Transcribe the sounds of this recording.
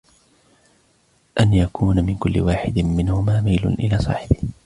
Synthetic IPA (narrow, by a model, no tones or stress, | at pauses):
ʔanjakʰuːnamɪnkʊlːɪ̰waːħɪd̪ɪmɪnhʊmaːmajlʊ̰nʔɪlaːsˤɑ̰ːħɪbɪh